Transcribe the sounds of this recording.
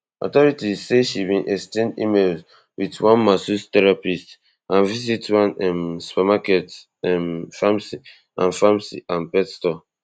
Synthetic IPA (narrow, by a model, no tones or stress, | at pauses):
ɔ̰tɔɹitizseʃibĩnʔɛkstẽndḭmelz | witwɔ̃nmasustɛɹapist | ãnvizitwãnɛmspɛmakɛt | ɛmfamsi | ãnfamsḭʔãnpɛtstɔ